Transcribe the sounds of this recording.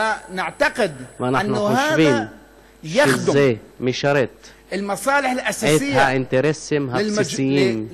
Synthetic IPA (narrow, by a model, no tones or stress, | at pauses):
anɪʕt̪aqɪd̪wʔanaanuːhaːbiːn | ʃjaɪd̪zːeːmiʃɑɾˤet̪ | ʔɪlmɑsˤɑːlɪħɪlʔasaeːtɪjhaʔɪnt̪eɾesːɪmɦasesɪjːiːn